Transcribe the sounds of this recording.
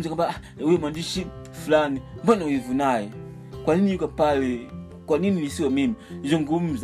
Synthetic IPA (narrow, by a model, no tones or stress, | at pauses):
m̩zakambawuemwandiʃi | fulanibɔnaivunajɛ | kwaninijukapale | kwaninilisiwamimiʒiŋɡum̩z